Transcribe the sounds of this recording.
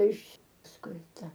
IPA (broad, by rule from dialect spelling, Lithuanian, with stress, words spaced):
ɪʃ pɐsˈkʊɪ ˈtɐ